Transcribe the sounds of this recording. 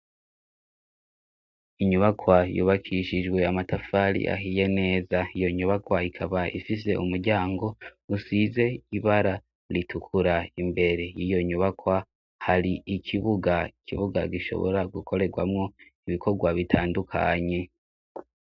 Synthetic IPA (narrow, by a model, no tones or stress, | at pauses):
iɲuβakwajṵβakʰiʃid͡ʒɡwe̞amatafaɾḭʔa̰ɦije̞ne̞ːzaijo̞ɲuβakwaikʰaβaḭfis̬e̞̰ʔumuɾɟaːŋɡo̞usize̞iβaɾa | ɾitʰukʰuɾaimbe̞ɾe̞jijo̞ɲuβakwa | haɾiikʰiβuɡaikʰḭβuɡaɡiʃo̞̰βo̰ɾaɡukʰo̞ɾe̞ɡwa̰mŋo̞ | iβikʰo̞ɡwaβitʰaːndukʰa̰ɲe̞